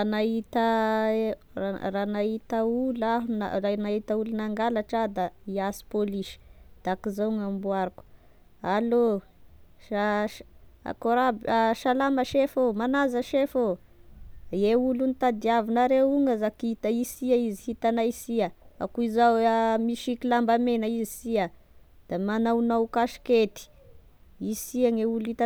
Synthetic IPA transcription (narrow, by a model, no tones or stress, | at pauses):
anaɦit̪ə | aranaɦit̪aulaɦuna̰ranaɦit̪əulunaŋɡalaʈ͡ʂad̪aiasi̥poliʃi̥d̪̥akizaŋambuaɾuku̥ | alo | a | a̰koɾabaʃalaməʃefomanazəʃefo | jeulunit̪ad̪iavinaɾeuŋazakit̪aisiaizihit̪anaisiaa̰kuizawmiʃikilambamenaizisia | d̪̥amanawnawkaʃi̥ket̪i̥ | isiaŋeulit̪a